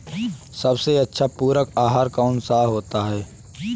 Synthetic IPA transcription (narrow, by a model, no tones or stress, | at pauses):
sɐbseɐtːʃʰapuːɾəkaːɦaːɾkaʊnsaːɦoːt̪aɦɛː